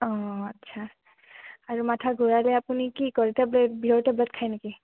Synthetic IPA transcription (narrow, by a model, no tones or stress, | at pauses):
ɔ̃ətːʃʰa | aɾumatʰaɡʱuɾaleapunikikɔɾit̪ɛblebʱioʈ̪eblɛt̪̚kʰajnaki